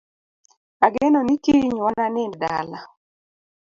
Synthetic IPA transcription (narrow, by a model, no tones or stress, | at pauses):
aɡenonikiɲwananɪnda̰la